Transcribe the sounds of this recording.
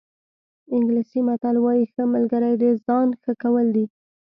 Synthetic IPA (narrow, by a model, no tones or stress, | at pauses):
ɪŋɡlisimat̪alwɑjixəməlɡəɾəjd̪ezɑnxəkawəld̪i